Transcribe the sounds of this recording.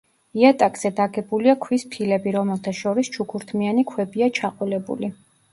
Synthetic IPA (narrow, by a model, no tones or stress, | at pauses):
iat̪ʼakʼz̥ɛd̪aɡɛbuliakʰwispʰilɛbiɾɔmɛlˠt̪ʰaʃɔɾist͡ʃʰukʰuɾt̪ʰmianikʰwɛbiat͡ʃʰaqʼwilɛbṵli